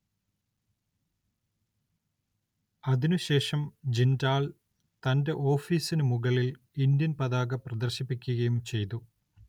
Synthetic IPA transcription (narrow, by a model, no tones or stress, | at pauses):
ɐðinuɕe̞ːʂɐmd͡ʑindaːɭ | t̪ɐnde̞ʔo̞ːfiːsinumuɣɐɭil | ind̪jɐnpɐðaːɣɐprɐd̪ɐrɕipːikʲːuɣɐjumt͡ɕe̞jt̪u